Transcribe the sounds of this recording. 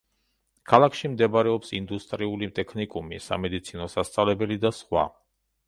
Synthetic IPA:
kʰalˠakʰʃimd̪ɛbɾɛɔpsind̪ust̪ʼɾiulimt̪ʼɛkʰnikʼumḭsa̰mɛd̪it̪sʰinɔsast̪sʼavlɛbɛlid̪asχwa̰

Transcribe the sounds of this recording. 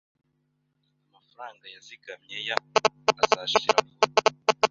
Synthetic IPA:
amafaɾaːŋɡajaziɡamɲejaːzaʃiɾamo

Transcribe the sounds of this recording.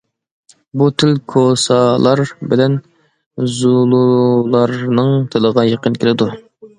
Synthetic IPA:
but̪ʰɪlkʰosɑlˠɑɾbɪlɛn | zulˠulˠɑɾnɨŋt̪ʰɪlˠəʁɑjeqənkʲʰɪlɪd̪u

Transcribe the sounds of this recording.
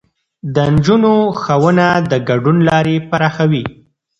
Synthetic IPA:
d̪ənd͡ʒunoxawənad̪əɡaɖunlɑɾepaɾɑxawi

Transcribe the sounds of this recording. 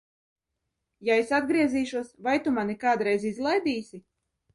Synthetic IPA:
jaesad̪ɡɾiɛziːʃuɔsvajt̪umanikaːd̪ɾɛjzizlˠajd̪iːsʲi

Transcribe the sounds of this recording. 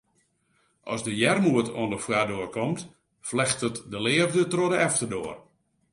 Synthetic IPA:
ʔɔ̰sdəjɛrmuətʰo̰əndəfwadoərkɔmt | flɛxtətdəlɪəvdətroədəɛftərdʊər

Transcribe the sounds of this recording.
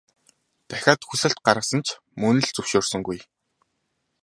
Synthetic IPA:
t̪æxʲaːt̪xuɮɘ̆ɬt̪̚ɢaɾʁə̆sə̆nt͡ɕʰ | mɵnɘ̆ɮt͡sɵwʃoːrsɵ̆ŋɡuj

